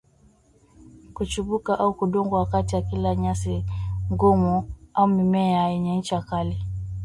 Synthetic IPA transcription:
kut͡ʃuɓukaʔaukuɗɔŋɡwawakatiwakilaɲasiŋɡɔmuaumimɛjaɛɲɛɲ̩t͡ʃakali

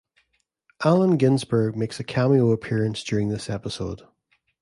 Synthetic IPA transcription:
ʔalˠə̃nɡɪ̃nzbə˞ɡ̚meksəkʰamioəpʰiɹə̃nsd̥j̥ʉɹɪ̃ŋðɪsɛpɪso̰d̥

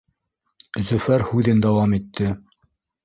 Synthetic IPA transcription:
zɵ̆fæɾhʉðɘnd̪æwɑmit̪ʰːɘ

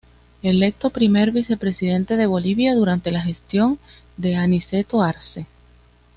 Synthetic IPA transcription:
e̞le̞k̚t̪o̞pɾime̞ɾβise̞pɾe̞siðe̞nt̪e̞ðe̞β̞o̞liβjaðuɾant̪e̞laxe̞st̪jo̞n | d̪e̞anise̞t̪oaɾse̞

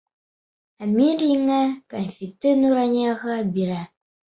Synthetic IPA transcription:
amiɾiŋakanfitɨnuɾaɲaɣaabiɾa

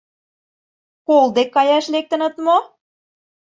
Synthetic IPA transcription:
kold̪ekːɑjɑʃlek̚t̪ə̆nə̆t̪mo

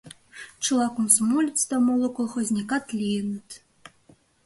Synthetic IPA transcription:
t͡ʃɨlˠɑkomsɐmolʲit͡st̪ɑmolˠŏkolˠxozʲnʲikɑt̪lʲijənə̆t̪

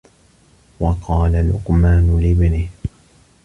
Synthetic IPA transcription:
wɑqɑːlalʊ̰qmaːnʊlɪbnɪh

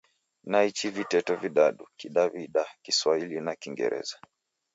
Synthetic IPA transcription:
nait͡ʃivitɛtɔviɗaɗukiɗaviɗakiswailinakiŋɡɛ̰ɾɛ̰za

